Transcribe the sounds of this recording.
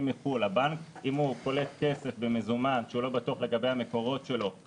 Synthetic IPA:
miχulabankimuko̞le̞t̚ke̞se̞fbemezumanʃeulo̞batuaχle̞ɡabe̞jhame̞ko̞ʁo̞tʃe̞lo̞

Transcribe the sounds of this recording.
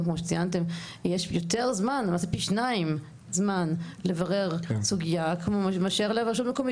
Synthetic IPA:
kmoʃet͡siant̬emjeʃjot̪eʁzmanmasepiʃnaim | zmanlevaʁeʁsuɡijakmomaʃeʁlavaʃ̬utmekomi

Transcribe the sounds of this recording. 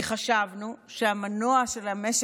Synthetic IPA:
χaʃavnuʃeamanoaʃelhames

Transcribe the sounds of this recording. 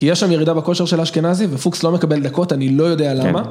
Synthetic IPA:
kijɛʃamjeʁidabeko̞ʃeʁʃe̞laʃkenazivefukslo̞me̞kabe̞ld̪ɐko̞tanilo̞jo̞dealaama

